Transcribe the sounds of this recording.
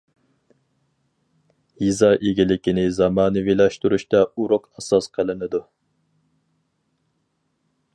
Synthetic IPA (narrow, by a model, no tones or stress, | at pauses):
jizɑʔeɡʲilɪkʲinɪzɑmɑːnɨvilɑʃt̪uɾuʃt̪ɛuɾʊqɑsɑsqʰəlˠɨnɨd̪u